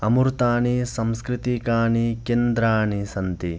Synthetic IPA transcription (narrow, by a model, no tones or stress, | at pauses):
ɐmuɾt̪aːɳisɐmskɾit̪ikaːɳikend̪ɾaːɳisɐnt̪i